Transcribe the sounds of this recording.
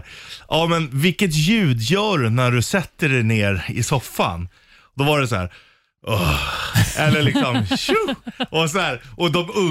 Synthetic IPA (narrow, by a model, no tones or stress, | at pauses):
ʔɑːmɛnvɪkːət̪jʉ̟ːd̪jœːɖɵnæɖɵsɛt̪ːəɖɛjneːɾɪ̰sɔfːa̰n | d̪ɔvaɖɛsɔhæ̰ːɾ | ʔɔ | ɛlːəlɪksɔmɕʉɔs̬ɔhæːɾʔɔd̪ɔmɵ